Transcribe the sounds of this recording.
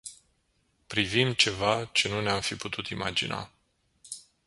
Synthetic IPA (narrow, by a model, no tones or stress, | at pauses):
pɾivimt͡ʃe̞vat͡ʃe̞nuneamfiput̪ʰut̪ima̰d͡ʒḭna̰